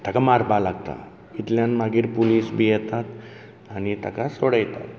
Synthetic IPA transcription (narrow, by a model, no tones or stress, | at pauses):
t̪jakamaɾpalaɡt̪a̰ | it̪ljãnmaɡiːɾpoliːsbʱijɛt̪at̪ | añit̪akasoɽajt̪a̰t̪